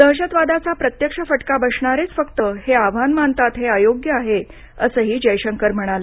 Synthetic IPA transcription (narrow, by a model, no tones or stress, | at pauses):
d̪̥əɦɕət̪ʋad̪at͡sapɾət̪jəkʂəfəʈkabəʂɳaɾet͡sfəkt̪əheaʋ̤anmant̪at̪ɦeajoɡjəaɦe | əsəːɦiːd͡ʑəjɕəŋkəɾm̤əɽ̃alə